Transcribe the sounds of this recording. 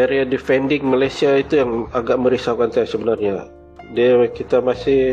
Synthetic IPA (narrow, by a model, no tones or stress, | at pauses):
eɾiadifɛndɪŋmalajsiait̪ujaŋaɡaʔməɾisawkant̪ajasəbənarɲa | diakit̪amasɪ